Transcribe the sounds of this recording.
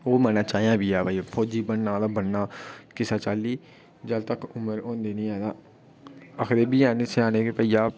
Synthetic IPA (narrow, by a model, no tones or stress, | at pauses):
oːmɛ̃ːnãːt͡ʃaːejãːbiːaːbaːipʰoːd͡ʒiːbənːãːd̪aːbənːaːkɪsaːt͡ʃaːlːiː | d͡ʒəlt̪əkʊməɾõːnd̪eːnĩːɛ̃ːd̪aː | əkʰɾeːbiːaːnesɪaːneːkepəiːaː